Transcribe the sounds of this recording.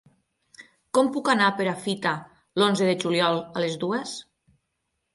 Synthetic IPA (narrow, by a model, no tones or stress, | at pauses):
kɔmpukanapeɾafit̪a | lonzeðeʒuljɔlˠalezðues